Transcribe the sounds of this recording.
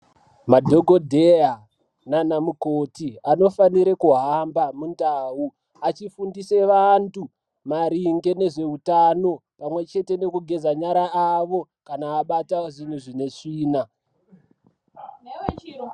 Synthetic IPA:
madʱo̞ɡʱo̞dʱea | nanamukotianofaniɾekuɦambamundaːu | at͡ʃifundise̞ʋantu | maɾiŋɡe̞ne̞ʐe̞utano̞pamwe̞t͡ʃe̞te̞ne̞kuɡʱe̞d͡zaɲaɾaaʋo̞ | kanaːɓataʐin̤uʐine̞ʂiːna

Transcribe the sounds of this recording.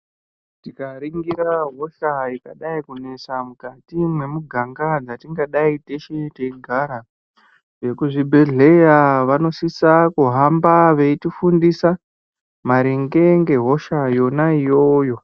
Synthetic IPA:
tikaɾiŋɡiɾaɦo̞ʃaikaɗaikune̞samukatimwe̞muɡʱaŋɡad͡zatiŋɡaɗaiteʃeteiɡʱaɾa | ʐe̞kuʐibʱe̞ɮe̞jaʋano̞sisakuɦambaʋe̞itifundisa | maɾiŋɡe̞ŋɡe̞ɦo̞ʃajo̞naijo̞ːjo̞

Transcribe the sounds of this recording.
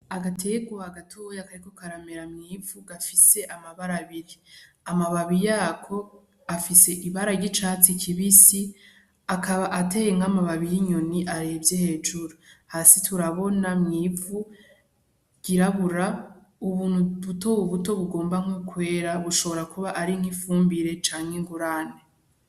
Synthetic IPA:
aɡatʰe̞ɡwohaɡatʰojakaɾikokaɾame̞ɾamŋiːvuɡafise̞ʔamaβaɾaβiɾi | amaβaβijaːkʰo̞ | afise̞ʔiβaɾaɟit͡ʃat͡sikʰiβisi | akaβaʔate̞jeŋ̥amaβaβijiɲo̞niʔaɾebjehe̞ːd͡ʒuɾuhasitʰuɾaβo̞namŋiːvu | ɟ̥iɾaβuɾa | uβuːnhuβuto̞uβuto̞βuɡo̞ːmbaŋokwe̞ːɾaβuʃo̞βo̞ɾakuβaʔaɾiŋ̥hifuːmbiɾe̞t͡ʃaːŋheŋɡuɾane

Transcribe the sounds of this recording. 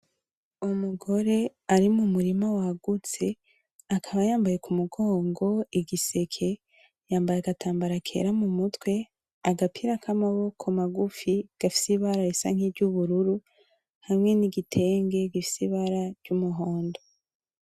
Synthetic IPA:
umuɡo̞ɾe̞aɾimumuɾimawaɡut͡se̞ | akʰaβajaːmbaje̞kumuɡo̞ːŋɡo̞iɡise̞kʰe̞ | jaːmbajaɡataːmbaɾakʰe̞̰ɾamumutwe̞ | aɡapʰiɾakʰamaβo̞kʰo̞maɡufiɡ̥afi̥siβaɾajisa̰ŋ̥hibɟuβuɾuɾu | hamŋe̞niɡitʰe̞ːŋɡe̞ɡifi̥siβaɾaɾɟumuɦoːndo

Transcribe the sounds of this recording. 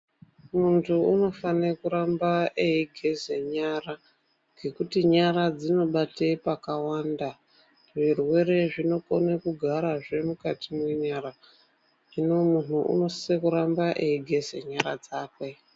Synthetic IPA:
muntʰuuno̞fanekuɾambaeiɡʱe̞ze̞ɲara | ɡʱe̞kutiɲaɾad͡zino̞ɓatepakawaːnda | ʐirwe̞re̞ʐino̞konekuɡʱaɾaʐe̞mukatimwe̞ɲaɾa | ʐino̞mun̤uṵno̞si̥sekuɾambaʔeiɡʱe̞ze̞̰ɲaɾad͡zaːkwe̞

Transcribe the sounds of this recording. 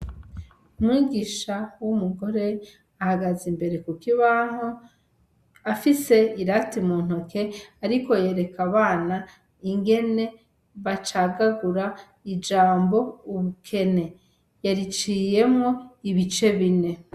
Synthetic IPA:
umŋiːɡiʃawumuɡo̞ɾe̞ | ahaɡazimbe̞ɾe̞kukiβaŋo | afise̞iɾatimun̥okʰe̞aɾiko̞je̞ːɾe̞kʰaβaːna | iŋɡe̞ne̞ | βat͡ʃaɡaɡuɾa | id͡ʒaːmbo̞uβukʰe̞ne̞ | jaɾit͡ʃiːje̞mo̞iβit͡ʃe̞βine̞

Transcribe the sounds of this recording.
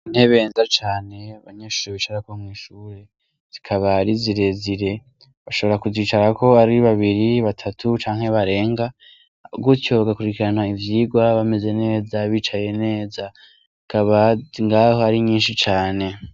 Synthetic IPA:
n̥eβe̞ːnzat͡ʃaːne̞aβaɲe̞ːʃuɾiβit͡ʃaɾakomwiːʃuːɾe̞ | z̥ikʰaβaɾiziɾe̞ziɾe̞ | βaʃo̞βo̞ɾakuziːt͡ʃaɾakʰo̞aɾiβaβiɾiβatʰatʰut͡ʃaːŋ̥he̞βaɾe̞ːŋɡa | ɡujo̞βaɡakuɾikiɾanaivjiɡwaβame̞ze̞ne̞ːzaβiːt͡ʃaje̞ne̞ːza | kaβaŋɡaːho̞aɾiɲiːnʃit͡ʃaːne̞

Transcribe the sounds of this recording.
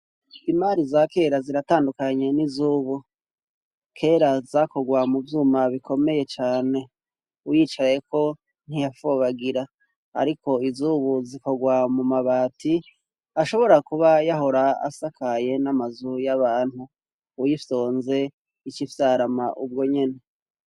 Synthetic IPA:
imaɾizake̞ːɾaziɾataːndukaɲe̞nizuːβu | kʰe̞ːɾazako̞ɡwamuvjuːmaβikʰo̞me̞je̞t͡ʃaːne̞ | ujiːt͡ʃaje̞ko̞ | n̥hijafoβaɡiɾa | a̰ɾiko̞izuβuziko̞ɡwamumaβaːtʰi | aʃo̞βo̞ɾakuβajaɦo̞ɾaa̰sakʰaje̞namazujaβaːn̥huː | jifoːnze̞ | it͡ʃifjaɾamaʔubɡo̞ɲe̞ne̞

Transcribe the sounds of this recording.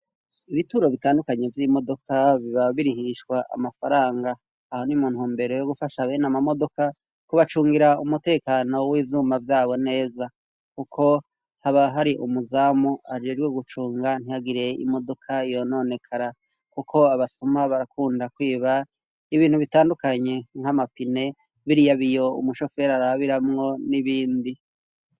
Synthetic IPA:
iβituɾo̞βitaːndukaɲe̞vjimo̞do̞kʰaβiβaβiɾiɦiʃkwaʔa̰mafaɾaːŋɡaː | ho̞nimuːnhuːmbe̞ɾo̞joɡufaʃaβeːnamamo̞do̞ka | kuβat͡ʃuːŋɡiɾaumute̞ːkaːno̞wiːvjuːmavjaːβo̞ne̞ːza | kukʰo̞ | haβaɦaɾiʔumuzaːmuad͡ʒed͡ʒɡweɡut͡ʃuːŋɡan̥hiaɡiɾe̞ḭmo̞do̞kʰaijo̞no̞ne̞kʰaɾa | kukʰo̞aβasumaβaɾakuːndakwiːβa | iβiːnhuβitaːndukaɲe̞ŋ̥hamapine̞ | βiɾijaβijo̞ṵmuʃo̞fe̞ɾaɾaβiɾamŋo̞niβiːndi

